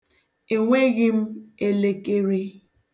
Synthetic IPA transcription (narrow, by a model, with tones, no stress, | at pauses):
e˨ŋʷe˦ɣɪ˦m̩˦e˦le˦ke˦ɾe˦